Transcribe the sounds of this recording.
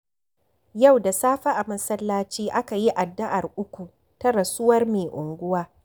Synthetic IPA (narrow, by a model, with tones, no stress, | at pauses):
ja˦˨wda˨saː˦ɸa˦ʔa˨mɐ˦sɐ˦lːaː˦t͡ʃiː˦ʔa˦ka˨ji˦ʔa˨dːa˦ʔa˨rʔʊ˦kʷu˨ | tɐ˦ɾɐ˨sʊ˦wɐ˦rmeː˨ʔʊ˨ŋɡʷʊ˦waː˦